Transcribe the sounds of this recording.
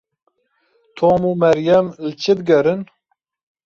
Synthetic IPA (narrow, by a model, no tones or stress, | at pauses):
t̪ʰoːmumɛɾjɛmlɨt͡ʃʰɨd̪ɡɛɾɨn